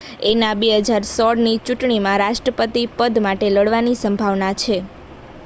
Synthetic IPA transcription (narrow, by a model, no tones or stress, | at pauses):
enabeɦəd͡ʒaɾsɔɽnit͡ʃuʈɳimãɾaʃʈɾəpət̪ipəd̪maʈeləɽʋanisə̃mbʱaʋnat͡ʃʰe